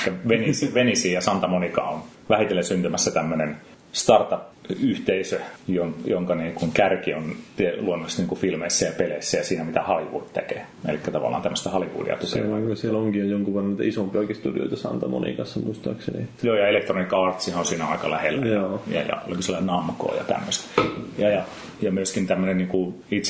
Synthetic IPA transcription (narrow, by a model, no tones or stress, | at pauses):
kːæʋenisiʋenisiːjɑsɑnt̪ɑmonikɑ̰on | ʋæhit̪elːesynt̪ymæsːæt̪æmːønen | st̪ɑrt̪ɑpyht̪eisøjoŋjoŋkɑniːŋkuŋkærkiont̪iluonːoisniːŋkufilmeisːæjɑpeleisːæjɑsiːnæmit̪æhɑliʋṵːt̪t̪ekḛː | ḛlikːæt̪ɑʋɑ̰lːˑɑ̰ːnt̪æmːəst̪æhɑliʋṵːdḭɑ̰t̪ṵʋɑŋkusieloŋkiojjoŋkuʋerenit̪isompioikest̪udḭo̰it̪ɑsɑ̰nt̪ɑmo̰nḭkɑsːɑmuist̪ɑːksenḭjoːjɑelekt̪ronikɑːrt̪sihɑonsiːnæɑikɑlæhelːjoːjɑ̰jɑ̰o̰likoselːɑnɑmko̰ːjɑ̰t̪æ̰mːøst̪jɑjɑ | jɑmyøskint̪æmːøneniːŋku | it̪s